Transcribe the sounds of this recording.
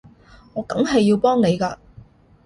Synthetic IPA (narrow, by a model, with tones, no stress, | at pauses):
ŋɔː˨˧kɐ˨˥mɦɐ˨jːiː˧wpɔː˥ŋne˨˧jkaː˧